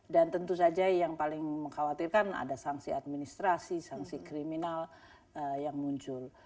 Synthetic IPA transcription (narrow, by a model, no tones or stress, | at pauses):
dant̪ənt̪usad͡ʒajaŋpalɪŋməŋkawat̪irkana̰dasaŋsiat̪̚minist̪ɾasisaŋsikɾiminal | əjaŋmuɲt͡ʃʊl